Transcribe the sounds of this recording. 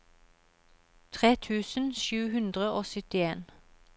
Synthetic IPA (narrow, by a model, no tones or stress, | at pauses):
t̪ʰʁeːt̪ʰʉːsn̩ʃʉːhʉnd̪ʁəoːsœt̪ɪeːn